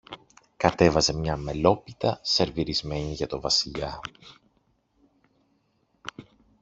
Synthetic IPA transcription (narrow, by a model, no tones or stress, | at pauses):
kɐt̪e̞vɐze̞mɲɐme̞lo̞pit̪ɐse̞ɾviɾizme̞ɲiʝɐt̪o̞vɐsiʎɐ